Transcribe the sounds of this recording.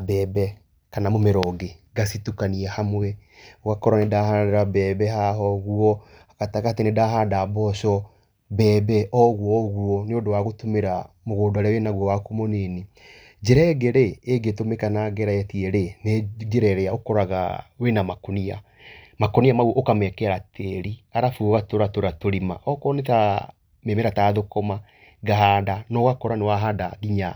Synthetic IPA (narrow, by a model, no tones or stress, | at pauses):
bɛːbɛ | kanamomeɾɔɡe | ɡasitukaniɛhamwɛoɣakɔɾanedahadɾabɛbɛhaɦɔɣuɔ | akataɣaatenedaɦaːndabɔʃɔ | bɛːbɛʔɔɣuɔɔɣuɔneodowaɣotomeɾamoɣoːdoaɾeawɛnaɣwɔwakomɔnene | d͡ʒɛɾɛɡeɾeːɡetomekanaɡɛɾaɛtiɛɾened͡ʒeɾɛɾɛaokɔɾaɣa̰wenamakonia | makoniamaɣuʔokamɛkɛɾatʰeɾiaɾafuɣatoɾatoɾatoɾimaʔɔkɔneta | memeɾataðokɔma | ɡaɦadanɔɣakɔɾanewaɦadaɣiɲa